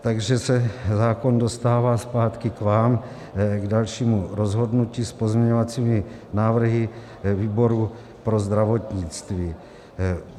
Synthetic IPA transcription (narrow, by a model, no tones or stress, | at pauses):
t̪aɡʒɛsɛzaːko̞ndo̞st̪aːvaːspaːt̪kɪkvaːm | ɡdalʃiːmuɾo̞zɦo̞dnuciːspo̞zmɲɛɲovat͡siːmɪnaːvr̩ɦɪ | viːbo̞ɾu | pɾo̞zd̪ɾavo̞t̪ɲɪt͡st̪viː